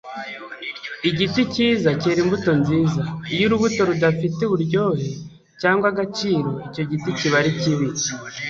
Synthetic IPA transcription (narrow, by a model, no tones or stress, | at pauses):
iɟiticiːzaciɾimbuto̞nziːzaijuɾuβuto̞ɾudafiteβuɾɟo̞ːhe̞ | caːŋɡwaɡat͡ʃiːɾo̞ico̞ɟiticiβaɾiciβi